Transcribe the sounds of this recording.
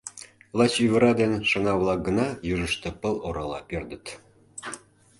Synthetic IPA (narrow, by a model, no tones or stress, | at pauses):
lˠɑt͡ɕyβə̆ɾɑd̪enʃɤ̆ŋɑβlˠɑk̚ɡə̆nɑjuʒə̆ʃt̪ĕpə̆lˠoɾɑlˠɑ̰perd̪ə̆t̪